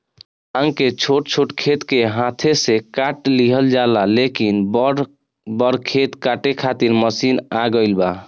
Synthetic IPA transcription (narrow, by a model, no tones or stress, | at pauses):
ə̃ŋket͡ʃʰoʈt͡ʃʰoʈkʰet̪keɦãt̪ʰesekaʈliɦəld͡ʒalalekin | bəɽkʰet̪kaʈekʰat̪iɾməsinaɡəɪlba